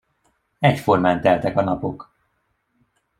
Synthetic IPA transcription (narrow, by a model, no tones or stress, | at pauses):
ɛcfo̞rmaːnt̪ɛlt̪ɛkɒnɒpo̞k